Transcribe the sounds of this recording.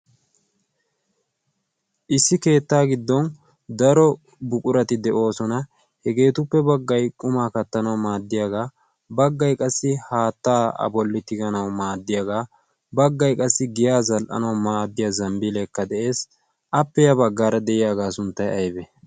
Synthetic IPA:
ʔɪsːɪke̞ːt̪ːaːɡɪd̪ːɔn | d̪ɐɾɔ | bʊkʼʊɾɐt̪ɪd̪ɛʔo̞ːsɔnɐ | hɛɡe̞ːt̪ʊpːɛbɐɡːɐjkʼʊmaːkɐt̪ːɐnɐwmaːd̪ːɪjaːɡaː | bɐɡːɐjkʼɐsːɪhaːt̪ːaːɐ̰bɔlːɪt̪ɪɡɐnɐwmaːd̪ːɪjaːɡaː | bɐɡːɐjkʼɐsːɪɡɪjaːzɐlʔɐ̰nɐwmaːd̪ːɪjɐzɐmbɪlɛkːɐd̪ɛʔe̞ːs | ʔɐpːɛjɐbɐɡːaːɾɐd̪ɛʔɪjaːɡaːsʊnt̪ːɐjɐjbɛ

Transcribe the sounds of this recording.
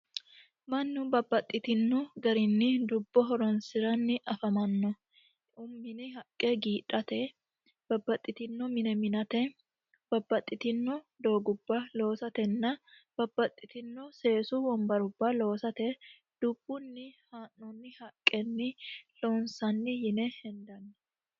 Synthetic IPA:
mɐnːʊbɐbːɐt̪ʼːɪt̪ɪnːɔɡɐɾɪnːɪd̪ʊbːɔɦɔɾɔnsɪɾɐnːɪʔɐfɐmɐnːɔ | ʔʊmːɪnɪɦɐkʼːɛɡiːᶑʼɐt̪ɛ | b̥ɐbːɐt̪ʼːɪt̪ɪnːɔmɪnɛmɪnɐt̪ɛ | b̥ɐbːɐt̪ʼːɪt̪ɪnːɔ | d̪o̞ːɡʊbːɐlo̞ːsɐt̪ɛnːɐ | b̥ɐbːɐt̪ʼːɪt̪ɪnːɔse̞ːsʊwɔmbɐɾʊbːɐlo̞ːsɐt̪ɛ | d̪̥ʊb̥ːʊnːɪhaːnːɔnːɪhɐkʼːɛnːɪloːnsɐnːɪjɪnɛhɛnd̪ɐnːɛ

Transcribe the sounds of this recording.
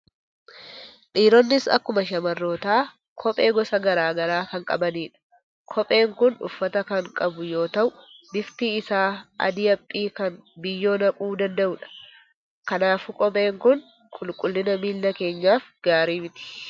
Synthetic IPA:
ᶑiːɾɔnːɪsɐ̰kːʊmɐʃɐmɐrːo̞ːt̪aː | kʰɔpʼe̞ːɡɔsɐɡɐɾaːɡɐɾaːkɐŋkʼɐbɐniːᶑɐ̥ | kʰɔpʼe̞ːŋkʊnʊ̰fːɐt̪ɐkɐŋkʼɐbʊjo̞ːt̪ɐʔʊbɪft̪iːɪsaːɐ̰d̪ɪɐpʼːiːkɐnbɪjːo̞ːnɐkʼuːd̪ɐnd̪ɐʔʊᶑɐ̥ | kɐnaːfʊkʼɔpʼe̞ːŋkʊn | kʼʊlkʼʊlːɪnɐmiːlːɐke̞ːɲːaːfɡ̥aːɾiːmɪt̪ɪ̥

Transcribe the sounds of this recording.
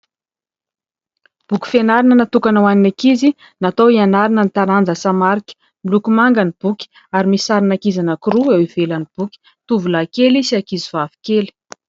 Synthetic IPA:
b̥ukʲi̥fenaɾinənat̪ukanawaninakizi | nat̪owianaɾinənit̪aɾand͡zəsamaɾikə̥ | milukumaŋɡanib̥ukʲi̥ | aɾimisaɾinakizanəkiɾuewiv̥elanib̥ukʲi̥ | t̪uvulakelisiakizivavi̥keli̥

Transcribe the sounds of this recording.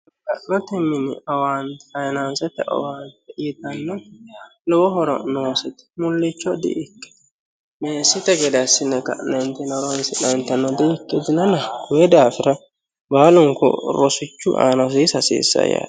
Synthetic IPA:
kɐʔnɔt̪ɛmːɪnɪ̰ɐwaːnt̪ɛ̥ɐjnansɛt̪ɛʔɔ̰waːnt̪ɛɪt̪ɐnːɔlɔwɔɦɔɾɔ̰noːsɛt̪ɛ̥mʊlːɪt͡ʃːɔd̪ḭʔɪkːɛ̥d̪ | meːsɪt̪ɛɡɛd̪ɐsːɪnːɛkɐ̰ʔnːɛnt̪ɛnɔɾonsɪnɐnt̪ɐnːɔd̪ɪɪkːɛd̪ɪnɐnɐɡʊjɛd̪aːfɪɾɐ | baːlʊŋkɔ̰ɾɔsɪt͡ʃːʊ̰ʔa̰ːnɐs̬iːsɐsḭːsːɐ̰ja̰ːd̪

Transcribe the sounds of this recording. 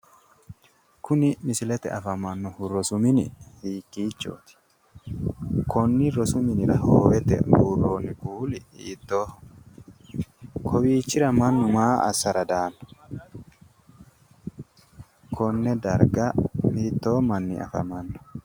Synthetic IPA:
kʊnɪmɪsɪlɛt̪ɛ̰ɐfɐmɐnːɔhʊɾɔsʊmɪnɪ̰hiːkːiːt͡ʃːo̰ːt̪ɪ̥ | kʰɔnːɪɾɔsʊmɪnɪɾɐhoːwɛt̪ɛ̰ɡuːrːoːnɪɡuːlɪiːt̪ːoː | kʰɔwiːt͡ʃːɪɾɐmɐnːʊmaːʔɐ̰sːɐɾɐd̪aːnːɔ̥ | kʰɔnːɛd̪ɐɾɡɐiːt̪ːoːmɐnːɪ̰ɐ̰fɐ̰mɐnːɔ̥

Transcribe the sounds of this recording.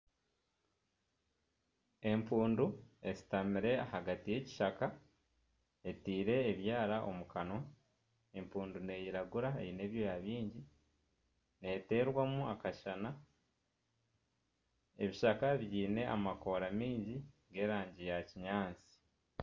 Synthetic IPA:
e̞mpuːndue̞zi̥tamiɾe̞ahaɡatije̞ci̥ʃaka | e̞tiːɾe̞ːβjaːɾaʔo̞̰mukano̞ | e̞mpuːndune̞jiɾaɡuɾaḛine̞ːβjo̞jaβiːɲɟi | ne̞te̞ːɾwamuakaʃana | e̞βiʃakaβiiːne̞ʔamako̞ɾamiːɲɟiŋɡe̞ːɾaːɲɟijaciɲaːnt͡si̥

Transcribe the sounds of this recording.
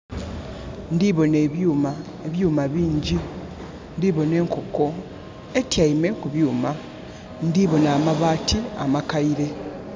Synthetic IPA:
ndiβo̞ne̞ːβjuːma | eβjuːmaβiːɲɟi | ndiβo̞ne̞ːŋkoko̞ | e̞tjaime̞kuβjuːma | ndiβo̞naːmaβaːtia̰makaiɾe̞

